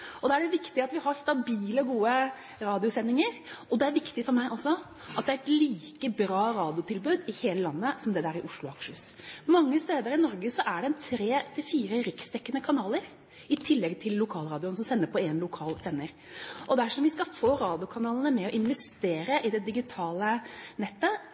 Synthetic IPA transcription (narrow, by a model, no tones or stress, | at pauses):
ɔd̪ɑːæɖɛʋɪkt̪ɪɑt̪ʋɪhɑɾst̪ɑbiːləɡuːə | ɾɑːd̪ɪʊsɛnːɪŋəɾɔd̪ɛæɾʋɪkt̪ɪfɔɾmæɪʔɔsːɔ | ʔɑt̪̚d̪ɛæɾɛt̪liːkəbɾɑːɾɑːd̪ɪʊt̪ʰɪlbʉːd̪ɪheːləlɑnːəsɔmd̪ɛd̪æɾɪʔʊʂlʊɑkʂəs | mɑŋːəst̪eːd̪əɾɪnɔɾɡəsɔʔæɖɛɛnt̪ʰɾeːt̪ʰɪlfiːɾəɾɪkst̪ʰɛkːənəkʰɑnɑːləɾ | ɪt̪ʰɪlːɛɡt̪ʰɪlːʊkʰɑːlɾɑːd̪ɪʊnəsɔmsɛnːəpʰɔeːnlʊkʰɑːlsɛnːəɾ | ʔɔd̪æʂɔmʋɪskɑfoːɾɑːd̪ɪʊkʰɑnɑːlənəmɛɔʔɪnʋɛst̪eːɾəʔɪd̪ɛd̪ɪɡɪt̪ʰɑːlənɛt̪ːə